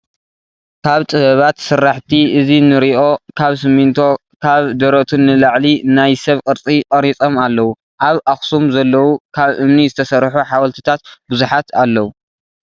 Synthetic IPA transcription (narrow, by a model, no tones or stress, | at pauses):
kʰaβt̪ʼɨβɐβat̪sɨɾːaħt̪ʰiʔɨzinɨɾiʔo̞kʰaβsɨmint̪ʰo̞ | kʰaβd̪ɐɾot̪ʰunːɨlaʕlinajsɐβkʼɨɾt͡sʼikʼɐɾit͡sʼo̞malːɐwu | ʔaβʔaxsumzɐlːɐwukʰaβʔɨmnizɨt̪ʰɐsɐrħuħawɐlt̪ʰi̥t̪ʰat̪bɨzuħat̪ʰalːɐwu